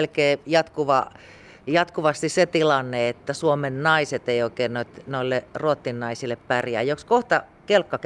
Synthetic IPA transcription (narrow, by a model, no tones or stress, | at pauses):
lkeːjɑt̪kuʋɑ | jɑt̪kuʋɑst̪isset̪ilɑnːeet̪ːæsuomennɑiset̪eioˑikeːnnoit̪noilːeruot̪ːinːɑisilːeppærjæ̰ːjokskoht̪ɑ | kelkːɑk